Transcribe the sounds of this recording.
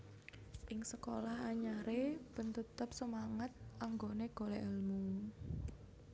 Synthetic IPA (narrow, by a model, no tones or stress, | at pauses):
ʔɪŋsəkolahaɲaɾeb̥ə̤nt̪ut̪ʊp̚səmaŋət̪̚ʔaŋɡoneɡ̥o̤leʔəlmu